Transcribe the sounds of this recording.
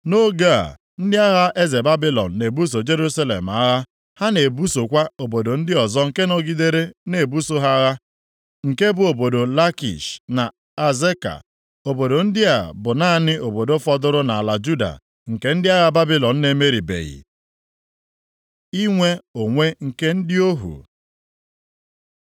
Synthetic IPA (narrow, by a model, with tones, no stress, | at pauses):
no˦ɡa̰˦˨ | n̩˦dɪ˦a˦ɣa˦ʔe˦ze˨ba˦bi˦lɔ̰˨n̩˨ne˨bu˦s̬o˨d͡ʒe˦ɾu˦sa˦lḛ˨m˨a˦ɣa˦ | ha˦ne˨bu˦so˨kʷa˦o˨bo˨do˨n̩˦dɪ˦ɔ˨zɔ˦ŋ̩˨ke˦no˦ɡi˦de˦ɾe˦ne˨bu˦so˦ɦa˦ɣa˦ | ŋ̩˨ke˦bʊ˦o˨bo˨do˨la˦kḭ˨ʃna˨ | a˨ze˦ka̰˨ | o˨bo˨do˨n̩˦dɪ˦a˨bʊ˨na˦nɪ˦o˨bo˨do˦fɔ˦dʊ˦ɾʊ˦na˨a˨la˨d͡ʒu˦da̰˨ | ŋ̩˨ke˦n̩˦dɪ˦a˦ɣa˦ba˦bi˦lɔ˨n̩˦ne˦me˦ɾi˨bḛ˨ɣḭ˨ | i˦ŋʷe˦o˨ŋʷe˦ŋ̩˨ke˦n̩˦dɪ˦o˦ɦṵ˨